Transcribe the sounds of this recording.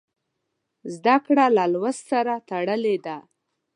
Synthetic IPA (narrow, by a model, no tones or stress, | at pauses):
zd̪akɽalalwassaɾat̪aɽəled̪a